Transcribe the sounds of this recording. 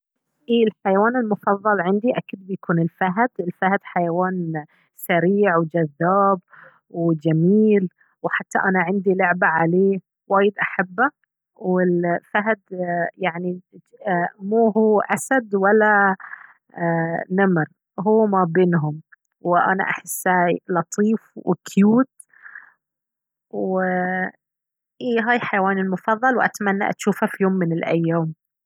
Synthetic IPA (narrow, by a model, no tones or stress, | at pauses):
ʔiːɪlħajawaːnɪlmʊfɑðˤːɑlʕɪnd̪iʔakiːd̪̚bɪjakʰuːnɪlfaɦd̪ɪlfahd̪ħajawaːn | saɾiːʕwd͡ʒaðːaːb | wd͡ʒamiːl | wħat̪ːaʔanaʕɪnd̪ilʊʕbaʕaleː | waːjɪd̪ʔaħabːa | wɪlfaɦd̪jaʕni | muːhuːʔasad̪walːa | namɾ | ɦuːmabeːnɦʊm | wʔa̰na̰ʔa̰ħɪsːaːjlɑt̪ˤʰiːfwɪ̰kʰjuːt̪ | w | ʔiːɦaːjħajawaːnɪlmʊfɑðˤːɑlwʔa̰t̪manːa̰ʔa̰t̪ʃuːfhafijoːmːɪnɪlʔajːaːm